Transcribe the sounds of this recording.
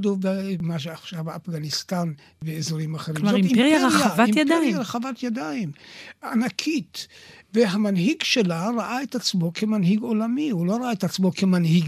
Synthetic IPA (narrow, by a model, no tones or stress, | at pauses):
dovemaʃ̬eaχʃaveafɡanistan | veːzoɾimaχeɾimzotiejaaavaimjapaejaɾeχavatjadaimanakʰitveɦamanɦiɡʃelaɾaʔaetat͡smo̞kʰemanɦiɡo̞lamiulo̞ɾaaetat͡smo̞kʰemanhiɡ